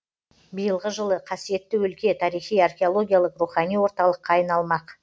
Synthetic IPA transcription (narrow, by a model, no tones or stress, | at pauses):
bijəlˠʁəʒəlˠəqʰɑsije̞t̪ːɪwɵlkʲe̞t̪ʰɑɾijχijɑrxʲe̞o̞lˠo̞ɡʲijalˠəqruχɑnijwo̞ɾt̪ɑlˠəqːɑːjnɑlˠmɑq